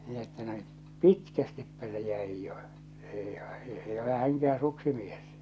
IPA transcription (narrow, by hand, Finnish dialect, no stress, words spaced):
min etːæ no pitkæstipːæ se jæij jo eˑi eˑi ole hæŋkææ̃ː suksimies